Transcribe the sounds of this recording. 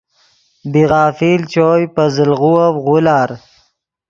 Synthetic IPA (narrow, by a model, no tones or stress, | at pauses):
biɣɑːfilt͡ʃoːjpəzəlɣuawɣulaːɾ